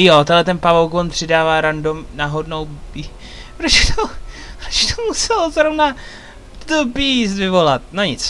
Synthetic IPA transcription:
jot̪ɛdlɛt̪ɛnpavowkvonpr̥ɪdaːvaːɾandomnaɦodnowi | pɾot͡ʃɛt̪ʰopɾot͡ʃt̪ʰomusɛlozɾovna | d̪opisvɪvo̞lat̪̚naɲɪt͡s

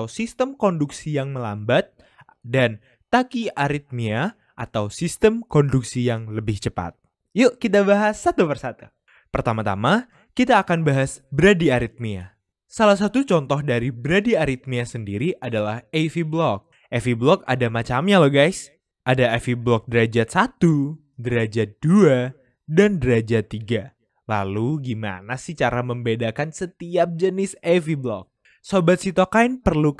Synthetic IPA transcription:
wsist̪əmkɔnduksijaŋməlambat̪̚ | dan | t̪akiaɾit̪̚mia | ʔa̰t̪awsist̪əmkɔnduksijaŋləbɪht͡ʃəpa̰t̪̚ | jukit̪abaɦasːat̪upərsat̪u | pərt̪amat̪a̰ma | kit̪aːkanbaɦasbəɾadiaɾit̪̚mia̰ | salahs̬at̪ut͡ʃɔnt̪ɔɦdaɾibəɾadiaɾit̪̚miasəndiɾiʔadalahefiblɔk̚ | ʔefiblɔka̰damat͡ʃamɲalɔhɡajs | ʔadaefiblɔk̚dəɾad͡ʒasat̪u | dəɾad͡ʒad̥ua | dandəɾad͡ʒat̪iɡa | la̰luɡima̰nasit͡ʃaɾaməmbedakansət̪iap̚d͡ʒənɪsefiblɔ̰k̚ | sobat̪sit̪ɔkainpərlu

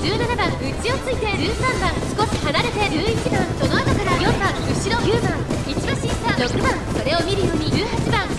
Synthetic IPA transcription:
d͡ʑɨːnanabãŋɡɯt͡ɕio̞t͡sɨit̪e̞d͡ʑɨːsãmbãŋsi̥ko̞ɕi̥hanaɾe̞t̪e̞d͡ʑɨːit͡ɕibãŋso̞noat̪okaɾajõ̞mbãŋɯ̟ɕiɾo̞jɯːbãŋit͡ɕibãɕĩbãɾo̞kɯ̟bãŋso̞ɾe̞o̞mʲiɾɯ̟jo̞ːɲ̟iɨːhat͡ɕibãŋ

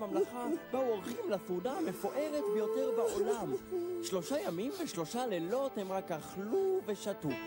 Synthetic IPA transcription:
amlaχabauo̞ʁχimlasudaame̞foʔe̞ʁet̪bejo̞te̞ʁbaʔo̞laamʃlo̞ʃajamimveʃlo̞ʃalelo̞themʁakaχluve̞ʃatu

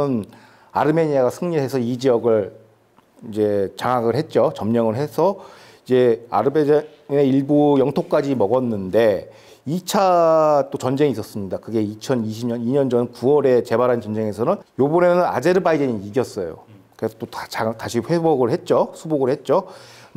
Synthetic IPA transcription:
n | a̰ɾɯme̞ɲiaɡasʰɯŋɲiɭɦe̞sʰʌid͡ʑiʌɡɯɭ | id͡ʑe̞t͡ɕaŋɦaɡɯɭɦe̞t̚t͡ɕ͈ot͡ɕʌmɲʌŋɯɭɦe̞sʰʌ | id͡ʑe̞a̰ɾɯbe | neiɭbujʌŋtʰok̚k͈ad͡ʑimʌɡʌnːɯnde̞ | it͡ɕʰat͈ot͡ɕʌnd͡ʑe̞ŋis͈ʌs͈ɯmɲidakɯɡe̞it͡ɕʰʌniɕʰimɲʌniɲʌnd͡ʑʌnkuwʌɾe̞t͡ɕe̞baɾɦant͡ɕʌnd͡ʑe̞ŋe̞sʰʌnɯnjobʌnenɯna̰d͡ʑe̞ɾɯbaideɲiiɡjʌs͈ʌjo̰ | kɯɾesʰʌt͈ott͡ɕataɕʰiɸwe̞boɡɯɭhe̞t̚t͡ɕ͈osʰuboɡɯɭhe̞t̚t͡ɕ͈o

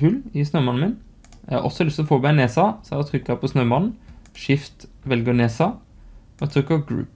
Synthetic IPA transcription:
fʉlɪsnøːmɑn̩mɪn | jæhɑ̰ʔɔ̰sːɔlʏst̪ɔfoːbæɪneːsɑsæɑt̪ʰɾʏkːɑpʰɔsnøːmɑnn̩ʃɪft̪ʋɛlɡəneːsɑ | ɔɑt̪ʰɾʏkːəɔɡɾʉ̰ːp

